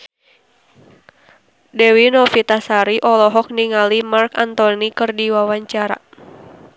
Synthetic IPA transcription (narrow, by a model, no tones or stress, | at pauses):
dɛwinɔfit̪asaɾiʔɔlɔɦɔk̚niŋalimarkant̪ɔnikɨrdiwawaɲt͡ʃaɾa̰